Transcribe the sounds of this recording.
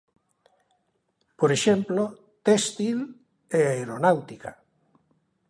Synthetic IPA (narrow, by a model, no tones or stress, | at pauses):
poɾeʃemplo | t̪est̪il | eaeɾonawt̪ika̰